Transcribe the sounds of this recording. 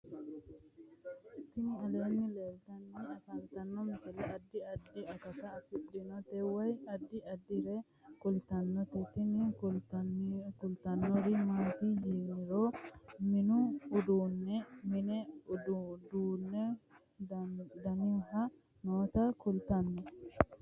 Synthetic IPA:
ɪt̪ɪnɪɐleːnːɪleːlt̪ɐnːɛɐt̪ɐnt̪ɐnːɔmɪsɪlɛʔɐd̪ːɪɐd̪ːɪɐkɐsɐfɪᶑɪnɔt̪ɛwɐjɐd̪ːɪɐd̪ːɪɾe | kʊlt̪ɐnːɔt̪ɛt̪ɪnɪ | kʊlt̪ɐnːɔɾɪmaːt̪id͡ʒiːnɪɾoːmɪnʊʊd̪uːnːɛmɪnɛʊdud̪uːnːɛ | d̪ɐnɪɦɐ | noːt̪ɐkʊlt̪ɐnːɛ

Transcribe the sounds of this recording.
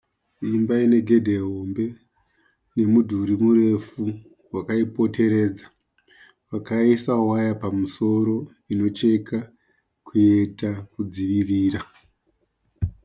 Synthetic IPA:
imbaine̞ɡʱe̞dʱe̞ɦo̞mbe̞ | ne̞mudʱuɾimure̞fu | wakaipo̞te̞ɾe̞ːd͡zḁ | wakaisawajapamuso̞ɾo̞ | ino̞t͡ʃe̞ka | kʰue̞takud͡ziʋiriːra

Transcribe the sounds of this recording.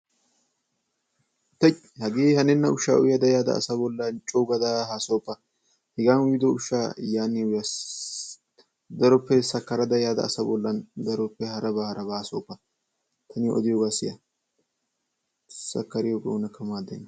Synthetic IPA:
t̪ɐ | hɐɡeːhɐnɛnːɐʊʃa̰ːʔʊjɐd̪ɐjaːd̪ɐ̰ːsɐbɔlːɐnt͡ʃʼuɡɐd̪ɐɦaːsoːpːɐ | hɛɡaːnʊɪd̪ɔʊʃːaːjaːnːɪwjɐ | d̪ɐɾɔpːɛsɐkːɐɾɐd̪ɐjaːd̪ɐ̰ːsɐbɔlːɐnd̪ɐɾɔpːɛhɐɾɐbɐhɐɾɐbɐhaːso̰ːpːɐ | t̪ʰɐnɪjʔɔ̰d̪ɪjoːɡaːsɪjɐ | sɐkːɐɾɪjoːɡɐ̰ʊnɐkːɐmaːd̪ːḛnːɐ

